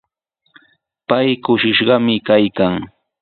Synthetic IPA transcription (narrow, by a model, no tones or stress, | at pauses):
pajkʊʃɪʃɢɑmɪkajkaŋ